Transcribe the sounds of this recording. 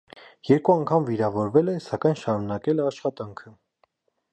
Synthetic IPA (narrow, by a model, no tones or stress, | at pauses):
jɛɾkuɑŋkʰɑmviɾɑvɔɾvɛlɛsɑkɑjnʃɑɾunɑkɛlɛɑʃχɑt̪ɑŋkʰə